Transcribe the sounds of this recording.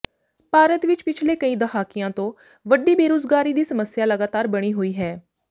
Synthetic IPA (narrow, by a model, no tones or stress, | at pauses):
paːɾət̪ʋɪt͡ʃpɪt͡ʃʰleːkəĩːd̪əfaːkɪjãːt̪õː | ʋəɖiːbeːɾoːzɡaːɾiːd̪iːsəməsjaːləɡaːt̪aːɾbəɽ̃iːɦoːiːɦɛː